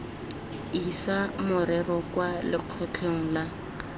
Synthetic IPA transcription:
isamʊɾɛrɔkwalɪq͡χʰɔt͡ɬʰeŋ̩la

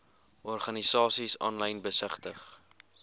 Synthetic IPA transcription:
ʔɔrχɐnisɑːsisɑ̰ːnlɐjnbəsəχtəχ

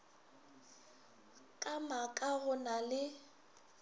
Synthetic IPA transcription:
kʼamakʼaɣʊnalɪ

